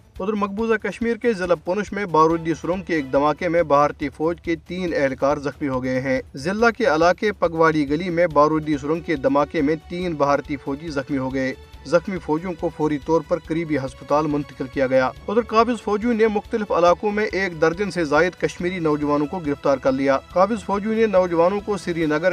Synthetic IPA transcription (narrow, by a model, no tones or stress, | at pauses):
ʊd̪əɾmɐk̚buːzakɐʃmiːɾkezɪlapʊnʊʃmẽbaːɾuːd̪isʊɾʊ̃ŋɡ̚keːk̚d̪ɐmaːkemẽbaːɾt̪ifɔːd͡ʒket̪iːnɛɦlkaːɾzɐxmiɦoɡɐeɦɛ̃ːzɪlːakeɐlaːkepɐɡʋaːɽiɡɐlimẽbaːɾuːd̪is̬ʊɾə̃ŋɡ̚ked̪ɐmaːkemẽt̪iːnbɐɦaːɾt̪ifɔːd͡ʒizɐxmiɦoɡɐeː | zɐxmifɔːd͡ʒjõkofɔːɾit̪ɔːɾpɐɾkəɾiːbiɦɐspət̪aːlmʊ̃nt̪ə̥kɪlkijaɡɐjaːʊd̪əɾkaːbɪzfɔːd͡ʒũnemʊxt̪əlɪfɐlaːkõmẽʔeːkd̪ɐɾd̪ɪnsezaːɪd̪kɐʃmiːɾinɔːd͡ʒʋaːnõkoɡɪɾɪft̪aːɾkɐɾlijaːkaːbɪzfɔːd͡ʒjũnenɔːd͡ʒʋaːnõkosiɾinɐɡəɾ